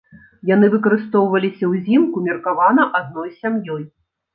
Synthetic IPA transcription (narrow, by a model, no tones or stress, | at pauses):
jan̪ɨvɨkɐɾɨst̪ɔwvɐlʲisʲɐwzʲimkumʲirkavanɐʔad̪̚nɔjsʲamjɔj